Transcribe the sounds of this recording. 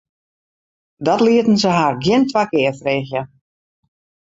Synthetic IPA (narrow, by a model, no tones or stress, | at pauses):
dɔtliətən̩səɦarɡjɪntʰʋakɪːfreːxjə